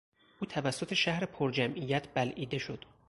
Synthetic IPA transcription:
ʔuːt̪ʰævæsːo̞t̪ʰeʃæhɾepʰoɾd͡ʒæmʔijæt̪ʰbælʔiːd̪e̞ʃo̞d̪̥

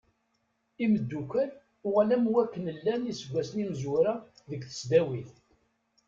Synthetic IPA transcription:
iməd̪ːukʷæl | ʊʁælæmwækːənəlːænisəɡʷːæsnimzuɾa | ðəkθə̥sd̪æwiθ

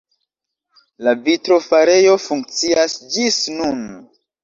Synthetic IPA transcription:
lavitɾo̞faɾe̞jo̞fuŋk̚t͡siasd͡ʒisnun

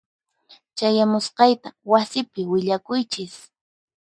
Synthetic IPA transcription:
t͡ʃajamʊsqɑjt̪awasɪpɪwɪʎakʊjt͡ʃɪs

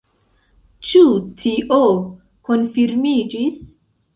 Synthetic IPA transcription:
t͡ʃutʰiʔo | konfiɾmid͡ʒis

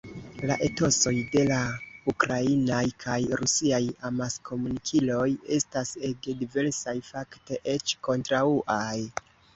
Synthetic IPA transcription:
la̰ʔe̞to̞so̞jde̞laukɾainajkʰajɾusiajamaskʰo̞munikʰilo̞je̞stase̞ɡe̞dive̞ɾsajfakte̞ʔe̞t͡ʃko̞ntɾauʔaj

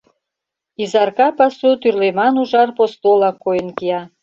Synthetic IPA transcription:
izɑrkɑpasut̪yrlemɑnuʒɑrpost̪olˠɑkojənkijɑ

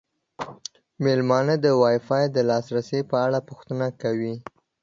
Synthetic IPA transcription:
melmɑnəd̪əwɑjfɑjd̪əlɑsɾasepəaɽapʊxt̪ənakawi

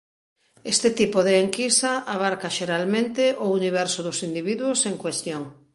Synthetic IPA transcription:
est̪et̪ipoðeːŋkisaaβ̞aɾkaʃeɾalmẽnt̪eʔʊuniβ̞ɛɾsʊðʊsind̪iβiðwoseŋkwest̪joŋ

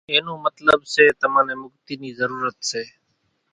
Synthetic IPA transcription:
ẽːnõːmət̪ləbseːt̪əmãːnẽːmʊkt̪iːniːzəɾuːɾət̪seː

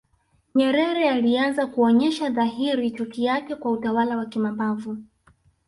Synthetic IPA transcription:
ɲɛɾɛɾɛalianzakuɔɲɛʃaðaɦiɾit͡ʃukijakɛkwautawalawakimambavu

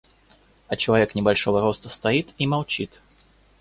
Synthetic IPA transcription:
ɐt͡ʃɐlˠavʲɛknʲɛbalʲʂɔvɐɾɔst̪ɐst̪ajit̪imawt͡ɕit̪

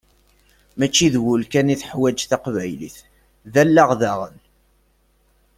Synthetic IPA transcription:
mæt͡ʃːiðwʊlkæniθħwæd͡ʒθaqvæjlḭθ | ðælːaʁðæʁən

